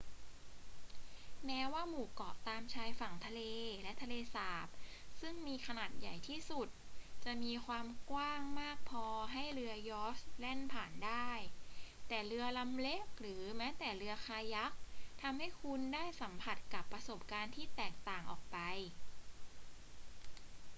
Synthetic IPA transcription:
mɛː˦˥waː˥˩muː˨˩kɔː˨˩p̚t̪aː˧mt͡ɕʰaː˧jfa˨˩ŋt̪ʰa˧leː˧lɛ˦˥t̪ʰa˧leː˧saː˨˩˦p̚sɯ˥˩ŋmiː˧kʰa˧naː˨˩t̪̚ja˨˩jt̪ʰiː˥˩su˨˩t̪̚t͡ɕa˨˩ʔmiː˧kʰwaː˧mkwaː˥˩ŋmaː˥˩k̚pʰɔː˧ɦa˥˩jɾɯ˧ɐjɔː˦˥slɛ˥˩npʰaː˨˩ndaː˥˩jt̪ɛː˨˩ɾɯ˧ɐla˧mle˦˥k̚ɾɯː˩˦mɛː˦˥t̪ɛː˨˩ɾɯ˧ɐxʰaː˧ja˦˥k̚t̪ʰa˧mha˥˩jkʰu˧ndaː˥˩jsa˩˦mpʰa˨˩t̪̚ka˨˩pːɾa˧so˨˩p̚kaː˧nt̪ʰiː˥˩t̪ɛː˨˩k̚t̪aː˨˩ŋʔɔ̰ː˨˩k̚pa˧j

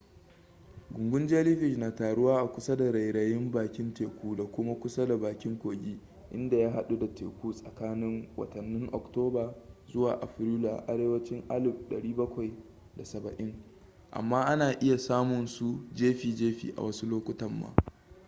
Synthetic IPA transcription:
ɡʷʊ˨ŋɡʷʊ˦nd͡ʒaː˦lɪ˦ɸɪ˦˨ʃnaː˨taː˨ɽʊ˦waː˦ʔa˨kʷʊ˦sa˦da˨ɾa˨jɽa˨jɪ˦mbaː˨kʲɪ˦nteː˨kʷuː˦da˨kʷʊ˦ma˦kʷʊ˦sa˦da˨baː˨kʲɪ˦ŋkʷoː˨ɡʲiː˦ | ʔɪ̰˦nda˨jaː˦ɦa˦ɗu˦da˨tḛː˨kʷuː˦sʼɐ˨kaː˦nɪ˦ŋwɐ̰˨tɐ˨nːɪ˦ŋʔɔ̰˨ktoː˦baː˨zʊ˦waː˨ʔa̰˨ɸɪ˦ɾuː˦la̰˨ʔa˨ɽeː˦wɐ˦t͡ʃɪ˦ŋʔa˦lɪ˨bɗɐ̰˨ɽiː˦bɐ˦kʷa˨j | da˨sɐ˨bɐ˨ʔɪ˦ŋ | ʔa̰˨mːaː˦ʔa˦naː˨ʔɪ˦ja˨saː˦mʊ˨nsu˦d͡ʒeː˦ɸiː˨d͡ʒeː˦ɸḭː˨ʔa̰˨wɐ˦su˦loː˦kʷʊ˦tɐ˨mːa̰ː˦

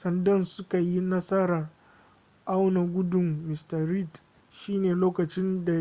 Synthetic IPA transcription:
sɐ˨˦ndɐ˦nsʊ˦ka˨ji˦nɐ˦sɐ˦ɾa˨r | ʔa˦wna˨ɡʷʊ˦dʊ˨mːɪ˨stɐ˨ɾi˦t | ʃiː˦neː˨loː˦kɐ˨t͡ʃɪ˦nda˨

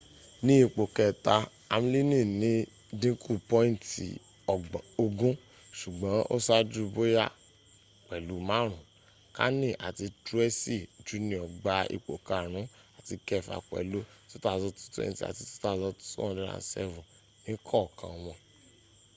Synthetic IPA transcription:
nĩ˦i˦˧k͡po˨kɛ˨ta˧ | a˧m˦li˦nĩ˦˨nĩ˦ | dĩ˦ku˦˨pɔ̃˦ĩ˦n˨tḭ˨ | ɔ˨ɡ͡bo˧ɡũ˦ | ʃu˨ɡ͡bã˨˦ʔo̰˦sa˦d͡ʒu˦˧bo˦ja˦ | k͡pɛ˨lu˨˦mã˨˦ɾ̃ũ˨˦ | ka̰˦nĩ˦˨ʔa˨ti˧tɾu˦ɛ˦si˦˨d͡ʒu˨˦nĩ˨ɔ˨ɡ͡ba˨ḭ˧k͡po˨ka˨ɾ̃ũ˨˦ | a˨ti˧kɛ˧˨fa̰˨k͡pɛ̰˨lo˦to˦ta˦˨zɔ˧tu̥˦tḛ̃˦˨ti˨a̰˨ti˧tu̥˦ta˦˨zɔ˧tu̥˦tṵ˦ɔ̃˨˧˦di˦ɾa̰˧sɛ̰˦vũ˨ | nĩ˨˦kʰɔ˦˨kã˧w̃ɔ̃˧

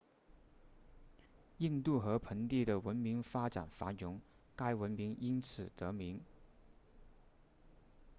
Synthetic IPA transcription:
i˥˧ŋt̪u˥˩xɤ˧˥pʰə˧˥ŋt̪i˥˩d̪ə˩wə˧˥nmi˧˥ŋfa˥ʈ͡ʂa̰˨˩nfa̰˧˥njʊ˧˥ŋ | ka˥ɪwə˧˥nmi˧˥ŋi˥nt͡sʰɹ̩˨˩t̪ɤ˧˥mi˧˥ŋ

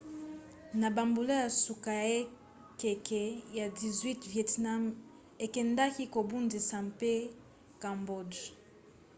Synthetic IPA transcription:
na˨ba˨mbu˨la˦ja˨su˨ka˨e˦ | kɛ˨kɛ˨ja˨di˨zwi˦tvjɛ˨tna˦m | e˨kɛ˨nda˦ki˦ko˨bu˦ndi˨sa˨mpe˦ | ka˨mbo˦˨d

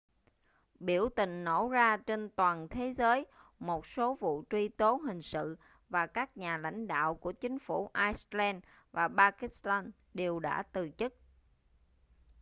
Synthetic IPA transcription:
ɓi˧˩əwt̪ï˨˩ŋ̟no˧˩zaː˧t͡ɕe˧nt̪waː˨˩nt̪ʰe˨˦zəː˨˦jmo˨˩t̚so˨˦vṵ˧˨t͡ɕwi˧t̪o˨˦ɦï˨˩ŋ̟sɨ̰˧˨ | vaː˨˩kaː˦˥k̚ɲaː˨˩la̰˧˥jŋ̟ɗa̰ː˧˨wku˧˩ət͡ɕï˨˦ŋ̟fu˧˩ʔaː˧jslɛ˧n | vaː˨˩ɓaː˧ki˦˥st̪aː˧n | ɗe˨˩wɗa̰ː˧˥t̪ɨ˨˩t͡ɕə˦˥t̚

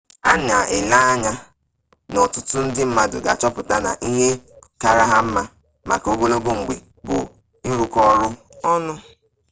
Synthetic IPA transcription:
a˦nɪ˨a˨ʔɪ˨la˦a˦ɲa˦ | nɔ˨tʊ˦tʊ˦n̩˦dɪ˦m̩˦ma˦dʊ̰˨ɡa̰˨t͡ʃɔ˦pʊ˨ta˨na̰˨ʔi˦ɦe˦ka˨ɾa˦ɦa˦m̩˦ma˦ | ma̰˨ko˦ɡo˦lo˦ɡo˦ŋ͡m̩˨ɡ͡bḛ˨ | bʊ̰˨ | i˦ɾu˦kɔ˦ɾʊ˦ | ɔ˦nʊ˦

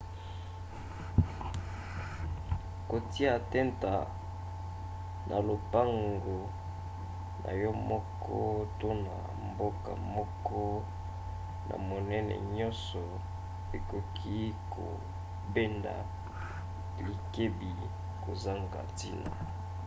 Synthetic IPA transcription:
ko˨ti˦a˦˨tɛ˦nta˨ | nʔa˨lo˨pa˦ŋɡo˨ | na̰˨jɔ˦mɔ˦kʰ | ɔ˦to˦na̰˨ | mbo˦ka̰˨mɔ˦kɔ˦ | na̰˨mo˨nɛ˦nɛ̰˨ɲɔ˦nsɔ˨ | e˨ko˨kʰi˦kʰo̰˨ | be˦nda̰˨ | li˨ke˦bi˨ | ko˨za˦ŋɡa̰˨ti˦na̰˨

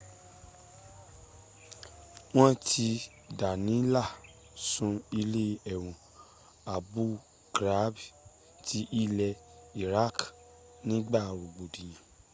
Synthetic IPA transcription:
w̃ɔ̃˦tʰi˧ | da˨nĩ˨˦la˦˨ | sũ˨˧i˧le˦ɛ˨w̃ɔ̃˨ | a˨bu˦ | ɡɾa˨˦b | tʰi˧˦ʔi˦lɛ˧i˨ɾa˦˨k | nĩ˦ɡ͡ba˦˨ɾu˨ɡ͡bo˨dĩ˨jĩ˨

